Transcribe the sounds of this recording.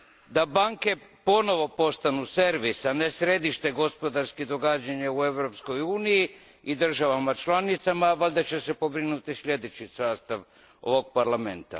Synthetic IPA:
d̪abaŋke̞po̞no̞ʋo̞po̞st̪anuse̞ɾʋisanesɾe̞d̪iʃt̪e̞ɡo̞spo̞d̪aɾskid̪o̞ɡad͡ʑaɲaue̞ʋɾo̞psko̞juːniji | id̪r̩ʒaʋamat͡ʃlˠanit̪samaʋalʲd̪at͡ɕe̞se̞po̞bɾinut̪islʎʲe̞d̪e̞t͡ɕisaːst̪aʋ | o̞̰ʋo̞ɡ̚paɾlame̞̰nt̪a̰

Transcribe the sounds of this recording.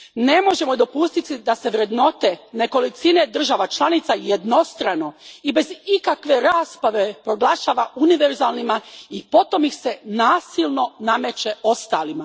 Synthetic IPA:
ne̞mo̞ʒe̞mod̪o̞pust̪it̪id̪ase̞ʋɾe̞d̪no̞t̪e̞ne̞ko̞lit̪sine̞d̪r̩ʒaʋat͡ʃlˠanit̪sajed̪no̞st̪ɾano̞ibe̞zikakʋe̞ɾaːspaʋe̞pɾo̞ɡlˠaʃaːʋauniʋe̞ɾzalˠnimaipo̞t̪o̞mixse̞naːsilˠno̞name̞t͡ʃe̞o̞st̪aːlima

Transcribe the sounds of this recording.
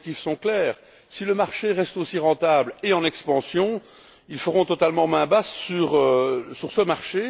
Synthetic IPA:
kisɔ̃klɛːʁ | siləmaʁʃeʁɛst̪osiʁɑ̃t̪ableɑ̃nɛkspɑ̃sjɔ̃ | ilfəʁɔ̃t̪ɔt̪almɑ̃mɛ̃bassyʁsyʁsəmaʁʃe

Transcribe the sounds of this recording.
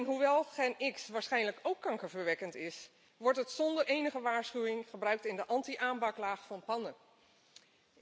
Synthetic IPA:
nɦuʋɛlˠχenɪksʋaːɹsχɛjnləkowkːɑŋkəɹvəɹʋɛkəntɪs | ʋɔɹtətsɔndəɹejnəχəʋaːɹsχywɪŋχəbrœɥk̚tɪndəʔɑntiʔaːmpɑklaːχfɑnpɑnə

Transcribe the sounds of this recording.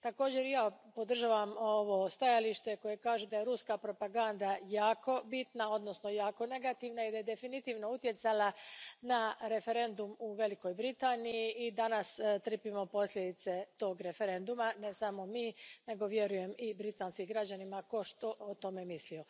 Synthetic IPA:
t̪ako̞ːd͡ʑe̞ɾjaːpo̞d̪r̩ʒaːʋamoʋost̪ajaliʃt̪e̞ko̞jekaːʒud̪ajeɾuskapɾo̞paɡand̪ajaːko̞bit̪nao̞d̪no̞sno̞jaːko̞ne̞ɡat̪iʋnaid̪aje̞d̪e̞finit̪iːʋno̞ut̪je̞t̪salanaɾe̞fe̞ɾe̞nd̪umuʋe̞liko̞jbɾit̪aːnijiːd̪anast̪ɾr̩pimo̞po̞slʲed̪it̪se̞t̪o̞ːɡɾe̞fe̞ɾe̞nd̪umane̞samo̞miːne̞ɡo̞ʋje̞ɾuje̞mibɾit̪aːnskiɡɾad͡ʑanimako̞ʃt̪o̞ʔot̪o̞me̞mislio̞

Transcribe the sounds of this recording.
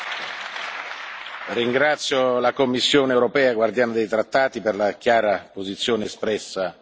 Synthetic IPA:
riŋɡɾat̪sːjolakomːisːjoːnewɾopɛːaɡward̪jaːnad̪ejt̪ɾat̪ːaːt̪iperlakjaːɾapozit̪sːjoːnespɾɛsːa

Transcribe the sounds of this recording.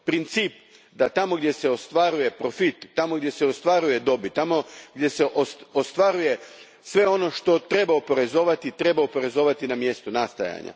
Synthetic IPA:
pɾint̪siːp | d̪at̪amo̞ɡd̪je̞se̞o̞st̪ʋaɾuje̞pɾo̞fit̪ːamoɡd̪je̞seost̪ʋaɾuje̞d̪o̞bit̪amo̞ɡdʲje̞se̞ʔoost̪ʋaɾuje̞ | sʋe̞o̞no̞ʃt̪o̞t̪ɾe̞baopo̞ɾe̞zo̞ːʋat̪it̪ɾe̞baopo̞ɾe̞zo̞ʋat̪inamje̞st̪unast̪a̰ja̰ɲa̰

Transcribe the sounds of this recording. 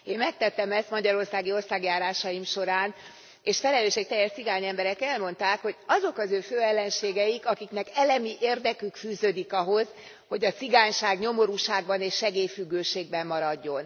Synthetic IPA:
eːnmɛk̚t̪ɛt̪ːɛmɛst̪mɒɟɒɾo̞rsaːɡio̞rsaːɡjaːɾaːʃɒjimʃo̞ɾaːn | eːʃfɛlɛløːʃek̚t̪ɛjːɛrt̪siɡaːɲɛmbɛɾɛkɛlmo̞nt̪aːkho̞ɟɒzo̞kɒzøːføːɛlːɛnʃeːɡɛjikɒkiknɛkɛlɛmiʔeːrd̪ɛkykfyːzøːd̪ikɒɦo̞z̥ | ho̞ɟɒt̪siɡaːɲʃaːɡɲo̞mo̞ɾuːʃaːɡ̚bɒneːʃːɛɡeːjfyɡːøːʃeːɡbɛmːɒɾɒɟːo̞n

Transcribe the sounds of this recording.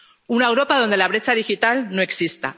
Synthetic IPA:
unaewɾo̞paðo̞nd̪e̞laβɾe̞t͡ʃað̞ixit̪alno̞e̞ksist̪a̰

